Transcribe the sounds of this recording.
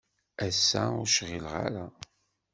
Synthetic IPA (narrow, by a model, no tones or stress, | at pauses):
æsːæʊɾʃʁilʁa̰ɾa